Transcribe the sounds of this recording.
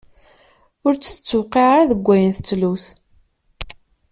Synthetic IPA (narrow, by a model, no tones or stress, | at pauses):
ʊɾt͡sːθə̥t͡sːəwqːeʁɾaðəɡʷːæjənθə̥t͡sːluθ